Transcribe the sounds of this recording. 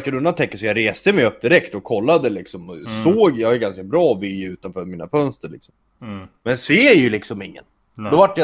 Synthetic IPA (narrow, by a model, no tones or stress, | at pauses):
kːəd̪ɵnːat̪ʰɛkːəsɔjɑɾeːst̪əmɛjɵpːd̪ɪɾɛkt̪ɔkʰːɔlːad̪əlɪksɔmɔsoːɡjɑhajʏɡanskabɾɑːvɪʉ̟ːt̪anfœːɾmiːna̰fœnst̪əɾɭɪ̰ksɔm | mɛnseːjɵlɪksɔmɪŋːə̰n | d̪ɔvaʈːja